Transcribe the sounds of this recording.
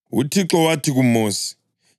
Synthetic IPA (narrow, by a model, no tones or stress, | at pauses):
ṵtʰiǁɔwatʰiɣ̬umoːsi̥